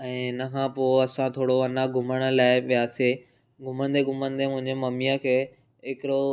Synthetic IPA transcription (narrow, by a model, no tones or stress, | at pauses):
ɛ̃ːnɐkʰãːpoːɐsãt̪ʰoːɽoɐnaɡʱʊməɽ̃̆laːɪʋijaːse | ɡʱʊmənd̪eɡʱʊmə̃nd̪emʊ̃ɦɪ̃ɲd͡ʑemɐmijakʰeː | ɦɪkɪɾo